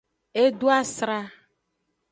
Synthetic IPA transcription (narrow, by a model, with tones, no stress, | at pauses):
e˦ɖo˦a˦sɾa˦